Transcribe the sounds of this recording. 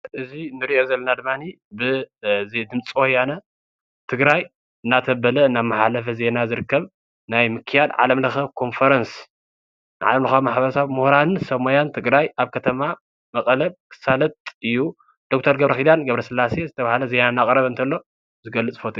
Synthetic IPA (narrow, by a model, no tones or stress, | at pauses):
ʔɨzinɨɾiʔo̞zɐlːɐnad̪ɨmːani | bɨzid̪ɨmt͡sʼiwojanɐ | t̪ʰɨɡɾaj | ɨnːat̪ʰɐbɐlɐnːamːaħalɐfɐze̞nazɨɾɨkːɐβ | najmɨkʰɨjad̪ʕa̰lɐmlɐxɐkʰo̞nfɐɾɐns | nʕa̰lɐmlɐxɐmaħbɐɾɐsaβmuhɾansɐmojant̪ʰɨɡɾajaβkʰɐt̪ʰɐma | mɐkʼlɐβ̚kʰɨ̥salɐt̪ʼɨjːu | d̪̥o̞k̚t̪ʰɐɾɡɐβɾɐxid̪anɡɐβɾɐsɨlːase̞zɨt̪ʰɐβahlɐze̞nanːakʼɾɐβɨnt̪ʰɐlːo̞ | zɨɡɐlːɨt͡sʼfot̪ʼi